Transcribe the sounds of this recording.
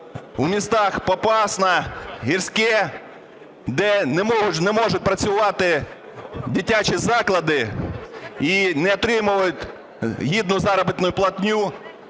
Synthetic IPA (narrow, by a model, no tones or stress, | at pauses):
umʲist̪ɑxpɔpɑsnɐɦirsʲkɛ | d̪ɛnɛmɔɦʊnɛmɔʒʊt̚ʲpɾɐt͡sʲʊʋɑt̪ɪ | dʲitʲat͡ʃizɑklˠɐd̪ɪ | inɛɔt̪ɾɪmʊʋɐjʊtʲ | ɦʲid̪nʊzɑɾɐbɪt̪nʊjʊplˠɐt̪ʲnʲu